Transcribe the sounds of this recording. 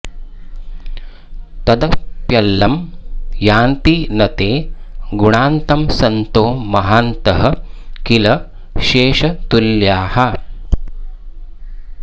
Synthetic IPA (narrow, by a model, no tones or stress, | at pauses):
t̪ɐd̪ɐpjɐlːɐmjaːnt̪inɐt̪eːɡuɳaːnt̪ɐmsɐnt̪oːmɐɦaːnt̪ɐɦɐkilɐ | ʃeːʃɐt̪uljaːhɐ